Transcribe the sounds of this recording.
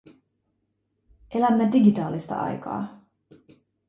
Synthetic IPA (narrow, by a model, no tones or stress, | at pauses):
ʔe̞læmːediɡit̪ɑːlist̪ɑ̰ʔɑ̰jkɑ̰ː